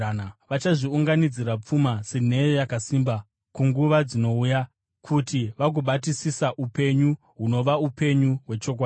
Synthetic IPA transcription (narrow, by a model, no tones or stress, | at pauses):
naʋat͡ʃaʐiuŋɡanid͡ziɾap͡fumasen̤e̞jojakasiːmba | kuŋɡuʋad͡zino̞uja | kʰutiʋak̬uɓatisisaʔupe̞ɲu | ɦuno̞ʋaupe̞ɲuɦwe̞t͡ʃo̞k̬waːi